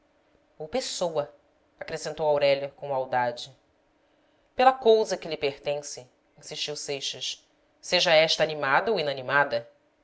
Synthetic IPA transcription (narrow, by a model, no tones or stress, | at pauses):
owpesowɐ | akɾesẽnt̪owawɾɛʎɐkõw̃awd̪ad͡ʒɪ | pelɐkowzɐkɪlɪpeɾt̪ẽsɪ | ĩsiʃt͡ʃiwsejʃɐʃ | seʒɐɛʃt̪ɐanimad̪ɐowinɐnimad̪ɐ